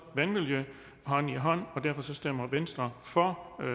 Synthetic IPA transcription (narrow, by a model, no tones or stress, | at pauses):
ʋænʋiljə | ɦɒ̽n̰iɦɒ̽n̰ɒ̽d̥æɐfɒ̽sɒ̽sd̥em̰ɐʋensd̥ʁɐfɒ